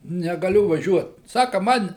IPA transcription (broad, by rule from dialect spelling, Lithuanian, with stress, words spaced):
nʲɛɡɐˈlʲʊ ʋɐˈʒʲuɔt ˈsɑːkɐ ˈmɐn